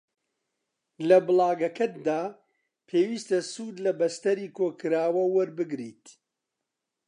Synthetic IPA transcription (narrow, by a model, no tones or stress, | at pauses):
lɐbɨlˠɑːɡɐkʰɐt̪̚d̪aː | pʰeːwiːst̪ɐsuːd̪lɐbɐst̪ɐɾiːkʰoːkɨɾaːwɐwɐɾbɨɡɾiːt̪